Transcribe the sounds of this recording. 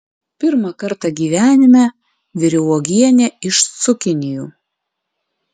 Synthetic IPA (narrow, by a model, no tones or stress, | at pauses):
pʲɪɾmɐkɐɾt̪ɐɡʲiːʋʲæːnʲɪmʲɛ | ʋʲɪɾʲɛlɔːɡʲiɛnʲɛɪʃsʊkʲɪnʲɪjuː